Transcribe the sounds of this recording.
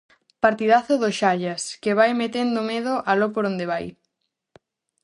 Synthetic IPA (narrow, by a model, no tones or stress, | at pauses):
paɾt̪iðaθʊðoʃaʎaskeβajmet̪end̪omeðʊʔalopoɾond̪eβaj